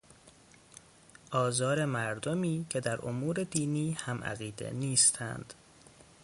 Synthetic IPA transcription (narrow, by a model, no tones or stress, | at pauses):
ʔɒːzɒːɾe̞mæɾd̪omiːcʰe̞d̪æɾʔo̰muːɾe̞d̪iːniːhæmʔæ̰ɣiːd̪e̞̰niːst̪ʰæ̰nd̪̥